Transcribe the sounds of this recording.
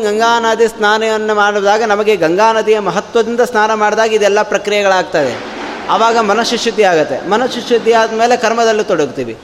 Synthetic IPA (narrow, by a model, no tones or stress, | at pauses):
ɡɐŋɡaːnaːd̪isnaːnɐjɐnːumaːɽud̪aːɡɐnɐmɐɡe̞ɡɐŋɡaːnɐd̪ijɐmɐɦɐt̪ʋɐd̪ind̪ɐsnaːnɐmaːɽid̪aːɡɐid̪ɛlːɐpɾɐkɾijɐɡɐɭaːɡ̚t̪ɐd̪ḛ | ɐʋaːɡɐmɐnɐʃuʂud̪ʱiaːɡɐt̪ːḛmɐnɐsʃuʂud̪ʱːiaːd̪meːle̞kɐɾmɐd̪ɐlːit̪ɔɽɐɡt̪iːʋḭ